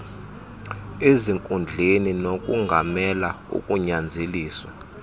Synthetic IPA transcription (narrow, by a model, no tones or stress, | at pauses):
eziŋkʼund͡ɮʱeninokʼṵŋɡʱamɛla | ṵkʼuɲand͡zʱeliːswa